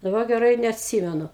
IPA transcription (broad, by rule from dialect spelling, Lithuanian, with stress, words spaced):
dɐˈbɐ ɡʲɛˈrɐɪ ɪ nʲɛɐtʲˈsʲiːmʲɛnʊ